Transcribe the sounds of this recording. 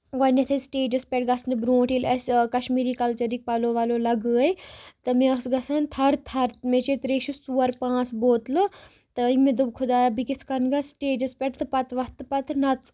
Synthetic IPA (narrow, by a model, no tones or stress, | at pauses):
wɐnɐt̪ʰɐsʈeːd͡ʒɐspʲɛʈɡɐsnibɾõːʈiːlɐsʲkɐʃmiːɾiːkɐlt͡ʃɐɾik̚pɐloːʋaːloːlɐɡəːɐjt̪ɨmẽɐsɡɐsɐnt̪ʰɐɾt̪ʰɐɾt̪met͡ʃet̪ɾeːʃust͡suːɐɾpãːsboːt̪lɨ | t̪ɨimẽd̪ubkʰʊd̪aːjabikɪt̪ʰkɐɾnɡɐsʈeːd͡ʒɐspʲɛʈt̪ɨpɐt̪ʋɐt̪ɨpɐt̪nɐt͡s